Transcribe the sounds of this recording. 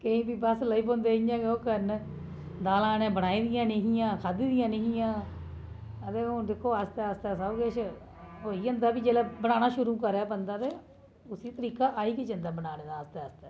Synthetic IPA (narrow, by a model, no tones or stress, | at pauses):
kəĩːbiːbəsləiːp̬õːnd̪eːijãːɡeoːkəɾn | d̪aːlaːnẽːbəɽaːiːd̪ɪjãːneɦijãːkʰad̪iːd̪ɪjãːneɦijãː | ət̪eːɦʊnd̪ekʰːoːast̪ɛːast̪ɛːsauɡeːt͡ʃʰ | oːiːənd̪aːbiːd͡ʒeːlɛːbəɽ̃aːnaːʃʊɾũːkəɾɛːbənd̪aːt̪eː | ʊsiːt̪əɾiːkaːʔaːiːkɪt͡ʃənd̪aːbəɽaːneːd̪aːst̪eːəst̪ɛː